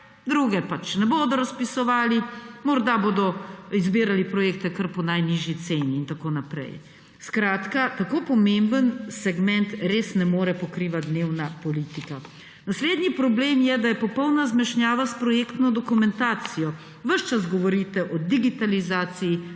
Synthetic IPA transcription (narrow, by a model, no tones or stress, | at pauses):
d̪ɾuɡɛpat͡ʃnɛboːd̪ɔɾaspisɔʋaːlimɔɾd̪aboːd̪ɔizbiːɾalipɾɔjeːk̚t̪ɛkəɾpɔnajniʒjit̪seːniːnt̪akoːnapɾɛ̰j | skɾaːt̪kat̪akoːpɔmembənsɛɡmɛnt̪ɾeːsnɛmoːɾɛpɔkɾiʋat̪̚d̪neːwnapɔliːt̪ika | nasleːd̪nipɾɔbleːmjɛd̪ajɛpɔpɔwnazmɛʃnʲjaːʋaspɾɔjeːkt̪nɔd̪ɔkumɛnt̪aːt̪sijɔ | ʋəʃt͡ʃazɡɔʋɔɾit̪ɛʔɔd̪iɡit̪alizaːt̪siji